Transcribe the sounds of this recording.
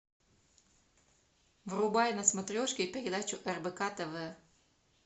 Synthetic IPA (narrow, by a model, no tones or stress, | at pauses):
vrʊbajnɐsmɐt̪ɾʲɔʃkʲeipeɾʲɪd̪at͡ʃʊʔɛrbɛkat̪ɐvɛ